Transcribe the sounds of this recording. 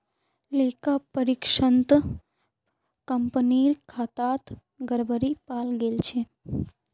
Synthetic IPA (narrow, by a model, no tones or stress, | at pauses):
lekapəɾikʃənt̪ | kəmpəniɾkʰaːt̪at̪ | ɡəɾbəɾipalɡelt͡ʃʰe